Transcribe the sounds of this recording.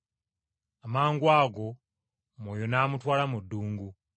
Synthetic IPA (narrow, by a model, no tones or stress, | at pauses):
amaːŋɡwaːɡo̞ | mwoːjonamutwaːlamudːuːŋɡu